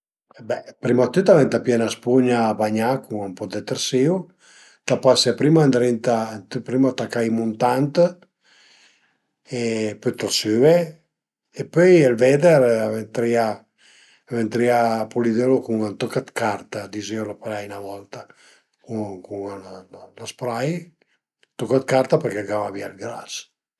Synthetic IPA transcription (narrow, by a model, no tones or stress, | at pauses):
bɛpɾimat̪yt̪avɛnt̪apjɛnaspuɲaːbaɲakuŋampɔd̪ɛt̪ɛɾsiu | t̪apaseapɾimand̪ɾint̪at̪pɾimat̪akajmunt̪ant̪ | epøjt̪ɔɾsyve | epøjelvɛd̪ɛɾavent̪ɾia | vent̪ɾiapulid̪elokuŋant̪okat̪kart̪ad̪izelapalajnavɔlt̪a | kukuŋlaspɾaj | t̪okat̪̚kaɾt̪apɛɾkeɡawavialɡɾa̰s